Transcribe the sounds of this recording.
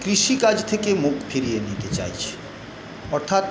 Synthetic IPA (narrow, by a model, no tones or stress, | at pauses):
kɾiʃikad͡ʑt̪ʰekemukfʰiɾijenit̪et͡ɕa̰jt͡ɕʰe̥ | ɔɾt̪ʰat̪